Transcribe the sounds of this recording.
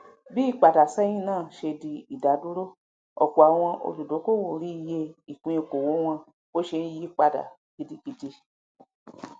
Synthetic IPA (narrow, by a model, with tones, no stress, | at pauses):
bi˦i˦˨k͡pa˨da˨sɛ˦j̃ĩ˦nãː˦˨ʃe˧di˧i˨da˨˦du˦ɾo˦˨ | ɔ̰˨k͡pɔ˨a˨w̃ɔ̃˧ʔo̰˧du˨do˨˦ko˦˨wo˨ɾi˨˦i˧je˧i˨kĩ˧˦e˧˨ko˨wo˨˦w̃ɔ̃˧ | o˦ʃe˧n̩˦ji˦k͡pa˧da̰˨ | ki˨˧di˧ki˧di˧